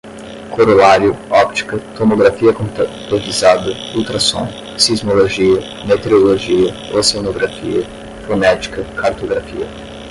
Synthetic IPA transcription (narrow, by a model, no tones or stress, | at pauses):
kʰoɾolaɾjʊɔpt͡ʃ̪i̥kɐt̪omoɡɾafiɐkont̪ot̪izad̪ɐut̪ɾɐsõ̰n | sizmolˠoʒiɐ | met̪eɾolˠoʒiɐosenoɡɾafḭɐ | fɾomɛt͡ʃi̥kɐkʰaɾt̪oɡɾafḭɐ̰